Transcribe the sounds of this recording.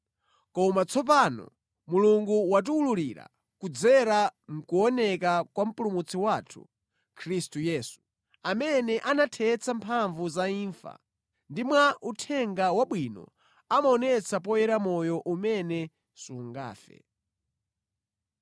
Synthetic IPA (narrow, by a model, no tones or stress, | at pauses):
kɔmat͡sʰɔp̬anɔ̰ | muluŋɡuwat̬uululiɾa̰ | kud͡zɛɾaŋ̩kuɔnɛkakwam̩pulumut͡sʰiwaːtʰṵ | kʰɾistujɛːsu̥ | amɛnɛʔanatʰɛːt͡sʰampʰaɱvuzaiːɱfa̰ | ndimwaʔutʰɛŋɡawaɓwinɔ̰ | amaɔnɛt͡sʰap̬ɔjɛɾamɔjɔʔumɛnɛ | suŋɡa̰ːfɛ̰